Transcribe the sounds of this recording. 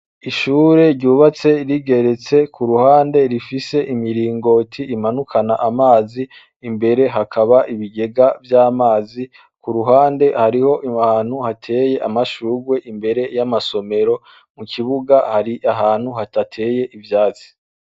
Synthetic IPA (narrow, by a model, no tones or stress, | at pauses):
iʃuːɾe̞ɾɟuːβat͡se̞ɾiɡe̞ɾe̞t͡se̞kʰuɾuhaːnde̞ɾifise̞ʔimiɾiːŋɡo̞tʰiimanukʰanaʔamaːziː | mbe̞ɾe̞ɦakʰaβaʔiβiɡe̞ɡavjaːmaːzi | kuɾuɦaːnde̞haɾiho̞ʔiaːn̥huhatʰe̞je̞ʔamaʃuːɡwe̞ʔimbe̞ɾe̞jamaso̞me̞ɾo̞ | mukʰiβuɡahaɾiʔaɦaːn̥huhatatʰe̞je̞ʔivjaːt͡si̥